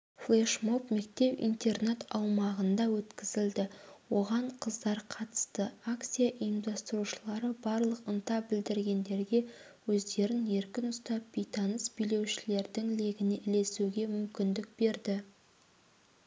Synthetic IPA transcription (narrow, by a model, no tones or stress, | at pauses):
flˠeʃmo̞pme̞kt̪e̞pḭnt̪e̞rnet̪ɑwmɑʁənd̪ɑwɵt̪kʲɪzɪld̪ɪwo̞ʁɑɴqʰəzd̪ɑɾqʰɑt̪ə̥st̪əakt̪sijaʔijəmd̪ɑst̪əɾuʃəlˠɑɾəbɑɾlˠəqənt̪ɑbɪld̪ɪɾɡʲe̞nd̪e̞ɾɡʲe̞ | wɵzd̪e̞ɾɪne̞ɾkʲɪnʊst̪ɑp̚bijt̪ɑnəsbijle̞wʃɪle̞ɾd̪ɪŋle̞ɡʲɪneʔɪle̞suɡʲe̞mʏmkʲɪnd̪ɪk̚b̥e̞ɾd̪ɪ